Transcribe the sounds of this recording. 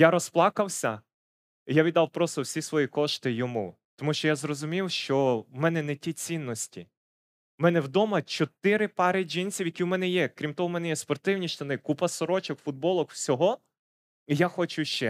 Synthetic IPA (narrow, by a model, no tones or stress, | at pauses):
jaɾɔsplˠɑkɐwsʲɐ | ijaʋʲid̪ɑwpɾɔst̪ɔwsʲisʋɔjikɔʃt̪ɪjɔmu | t̪ɔmuʃt͡ʃɔjazrɔzʊmʲiwʃt͡ʃɔwmɛnɛnɛtʲit͡sʲinːɔsʲtʲi | mɛnɛwd̪ɔmɐt͡ʃɔt̪ɪɾɪpɑɾɪd͡ʒinʲsʲiwjɐkʲiwmɛnɛjɛkɾʲimt̪ɔɦɔmɛnɛjɛspɔrt̪ɪwnʲiʃt̪ɔnɪkupɐsɔɾɔt͡ʃɔkfʊd̪̚bɔlˠɔkw̥sʲɔɦɔ | ijaxɔt͡ʃʊʃt͡ʃɛ